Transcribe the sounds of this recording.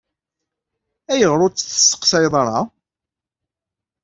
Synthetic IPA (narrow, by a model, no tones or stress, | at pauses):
æjəʁɾˤʊt͡sːθə̥sːə̥qsɑjðˤɑɾˤɑ